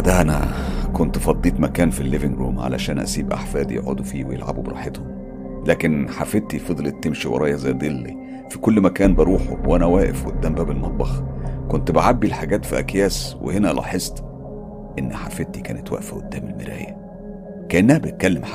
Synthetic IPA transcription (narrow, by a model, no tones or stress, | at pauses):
d̪æʔænæ̰kont̪fɑd̪ˤːiːt̪mækæːnfilːeveŋɡɾuːmʕa̰læ̰ʃæːnʔæ̰siːbʔa̰ħfæːd̪jḛʕo̰d̪ufiːwejḛlʕa̰bubeɾˤɑ̰ːħet̪hom | læːkenħafet̪ifed̪ˤlet̪ːemʃiwʔḛɾˤɑːjɑzæjd̪elːḭ | fikolːmækæːnbɑɾˤuːħo̰wʔænæwæːʔefʔod̪ːæːmbæbelmɑt̪̚ˤbɑxkont̪beʕabːilħaɡæːt̪fiʔæ̰kjæːswḛhenælɑ̰ħezˤt̪ | ʔenːħafet̪ikæːnet̪wæ̰ʔfʔo̰d̪ːæːmelmeɾæ̰ːjæ | kæʔenːæhæbet̪̚kælːem